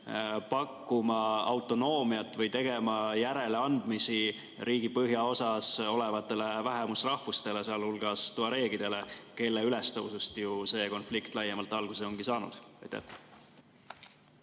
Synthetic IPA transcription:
pɑkːumɑɑwt̪ːˑo̞no̞ːmiɑt̪ːˑvɤjt̪e̞ɡ̥e̞mɑjæɾe̞le̞ɑnd̪̥misi | ɾiːɡ̥ipɤɦjɑo̞sɑso̞le̞vɑt̪ːˑe̞le̞væɦemusrɑhvust̪e̞le̞seɑlhulɡ̥ɑst̪uɑɾe̞ːɡid̪̥e̞le̞ke̞lːeyle̞st̪owsust̪juse̞ːko̞nflikt̪ˑlɑjːemɑlt̪ːˑɑlɡ̥useo̞ŋɡ̥isɑːnṵd̪̥ɑjt̪ːæ̰h

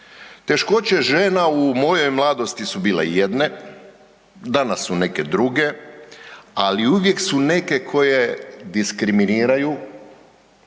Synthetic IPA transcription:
t̪e̞ʃko̞t͡ɕe̞ʒeːnaumo̞jo̞jmlˠad̪o̞st̪isubiːlḛje̞d̪ne̞ | d̪anasːune̞ke̞d̪ɾuɡe̞ | aliuʋje̞ksune̞kekʰo̞je̞d̪iskɾiminiːɾaju

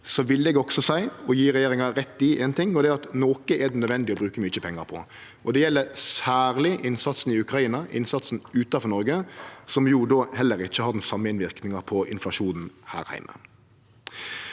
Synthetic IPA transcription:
sɔʋɪlːd̪ɛɡɔksɔsæɪɔjiːɾɛjeːɾɪŋɑɾɛt̪ːɪʔeːnt̪ʰɪŋːɔd̪ɛɑt̪noːkəʔɛd̪ɛnœd̪ʋɛnd̪ɪɔbɾʉːkəmyːt͡ʃəpʰɛŋːɑɾpʰɔ̰ | ʔɔd̪ɛjɛlːəsæːʁlɪʔɪnsɑt̪sn̩ɪʉkɾɑiːnɑʔɪ̰nsɑt̪sn̩ʉːt̪ɑfɔɾnɔɾɡəsɔmjud̪oːhɛlːəɾɪçːəhɑɾd̪ɛn̩sɑmːəɪnʋɪɾknɪŋɑpʰɔʔɪ̰nflɑʂuːnn̩hæ̰ːɾhæ̰ɪmə̰

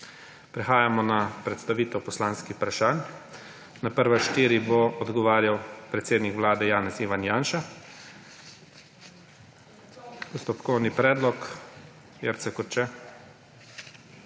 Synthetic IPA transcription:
pɾɛxaːjamɔnapɾɛt̪st̪aʋiːt̪ɛwpɔslaːnskixpɾaʃaːn | napəɾʋaʃt̪iːɾiboɔd̪ɡɔʋaːɾjawpɾɛt̪seːd̪nikʋlaːd̪ɛjaːnɛsiːʋanjaːnʃa | pɔst̪ɔpkɔwnipɾɛːd̪lɔk | jɛɾt̪sɛkɔɾt͡ʃɛ

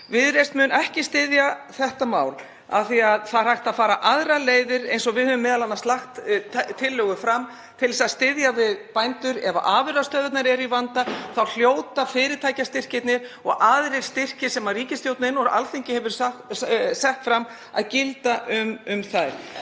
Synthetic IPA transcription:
vɪðɾest̪mʏnɛhcɪst̪ɪðjaθɛht̪amaːwl | a̰θiaðθaðɾrhajhxt̪aðfaːɾaʔaðɾaleːjðɪɾḛjnsɔɣvɪðhœvʏmːɛːðalanːast̪laxt̪t̪ʰɪlːœːɣʏfɾam | t̪ʰɪlsaðst̪ɪðjavɪðpajnt̪ʏɾɛva̰ʔaːvɪɾast̪œːðʏt̪naɾɛɾivant̪aθawl̥joːwt̪afɪːɾɪt̪ʰaːjcast̪ɪr̥cɪt̪nɪɾ̥ɔɣʔaðɾɪɾ̥st̪ɪr̥cɪsɛmariːcɪst̪joːwt̪nɪnːɔɾa̰lθeɲcɪhɛvʏɾ̥sasɛxt̪fɾam | a̰ðcɪlt̪aʔʏmʏmθajɾ̥

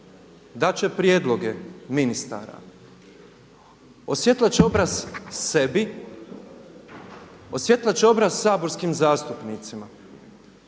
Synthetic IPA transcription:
d̪at͡ɕe̞pɾjeːd̪lˠo̞ɡeminist̪a̰ːɾa̰ | osjet̪lˠat͡ɕeo̞bɾazsebi | osje̞t̪lˠat͡ɕeo̞bɾazsaːbo̞ɾskimzaːst̪upnit̪sima

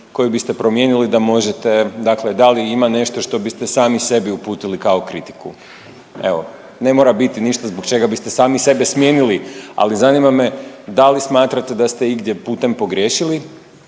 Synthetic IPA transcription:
ko̞jibist̪e̞pɾo̞mje̞nilid̪amo̞ʒet̪ed̪akled̪aliimane̞ʃt̪o̞ʃt̪o̞bist̪e̞saːmise̞biupuːt̪ilikao̞kɾit̪i̥kṵ | e̞̰ʋo̞̰ | ne̞mo̞ːɾabit̪iniʃt̪azbokt͡ʃe̞ɡabist̪esaːmise̞besmjeːnilia̰lizanimame̞d̪alismaːt̪ɾat̪e̞d̪ast̪e̞iɡd̪je̞puːt̪e̞mpo̞ɡɾjeʃili

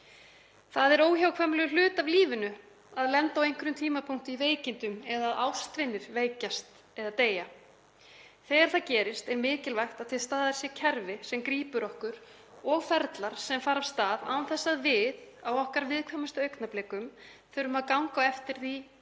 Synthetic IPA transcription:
θaðɛɾoːwçawkʰvɛmlɛʏl̥ʏːt̪avliːvʏnʏ | aðlɛnt̪awejŋ̥kʏɾʏmt̪ʰiːmapʰuŋ̥t̪ʏiveːjcɪnt̪ʏmɛðaːðawst̪vɪnːɪɾ̥veːjcast̪ | ɛðat̪eːja | θɛːɣaɾ̥θaðcɛːɾɪst̪ɛɾmɪːcɪlvajxt̪aðθɪðst̪aːðaɾ̥sjɛcʰɛɾvɪsɛmkɾiːpʏɾɔhkʏɾ | ɔɣfɛɾt̪laɾ̥sɛmfaːɾavst̪aːða̰ːnθɛsːaðvɪðawɔhkaɾvɪðkʰvɛːmast̪œɥknaplɛːkʏm | θɛɾʏmaðkawŋkaɛft̪ɪɾ̥θi

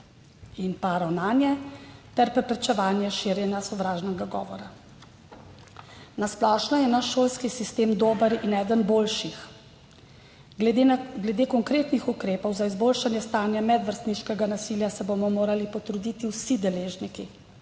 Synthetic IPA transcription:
inpaɾawnaːnjɛt̪ɛɾpɾɛpɾɛt͡ʃɛʋaːnjɛʃiɾjɛnjasɔʋɾaːʒnɛɡaɡɔ̰ːʋɔɾa | nasplɔʃnajɛnaʃːoːlskisist̪eːmd̪oːbəɾinɛːd̪ənboːlʃix | ɡlɛd̪eːkɔŋkɾeːt̪nixukɾeːpɔwzaizboːlʃanjɛst̪aːnjamɛd̪ʋəɾst̪niʃkɛɡanasiːljasɛbomɔmoːɾalipɔt̪ɾud̪it̪iwsid̪ɛleːʒniki

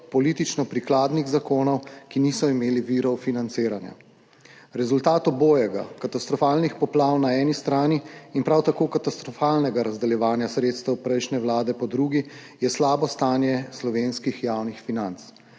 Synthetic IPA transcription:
pɔlit̪it͡ʃnɔpɾiklaːd̪niɣzakoːnɔwkinisɔimeːliʋiɾɔwfinant̪seːɾanja̰ | ɾɛzult̪aːt̪ɔboːjɛɡa̰kat̪ast̪ɾɔfaːlnixpɔplaːwnaɛːnist̪ɾaːniːnpɾawt̪akoːkat̪ast̪ɾɔfaːlnɛɡaɾazd̪ɛljɛʋaːnjasɾeːt̪st̪əwpɾɛjʃnɛwlaːd̪ɛpɔd̪ɾuːɡi | jɛslaːbɔst̪aːnjɛslɔʋeːnskixjawnixfinant̪s

